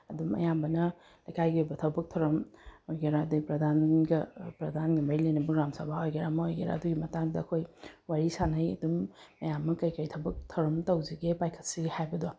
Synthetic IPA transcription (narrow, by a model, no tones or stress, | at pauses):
ɐdumɐ̰jambɐnɐ | lɐjkʰajɡiojbɐtʰɐwbɐk̚tʰɐwɾɐmojɡeɾadɐpɾɐdʱanɡɐpɾɐdʱanɡimɐɾilɐjnɐbɐɡɾamsɐbʱaojɡeɾamɐojɡeɾa̰ɐduɡimɐtaŋdɐɐkʰojwaɾisanɐjɐ̰dumːɐjamːɐkɐjkɐjtʰɐwbɐk̚tʰɐwɾɐmtɐwziɡepajkʰɐ̥t̚siɡihajbɐdo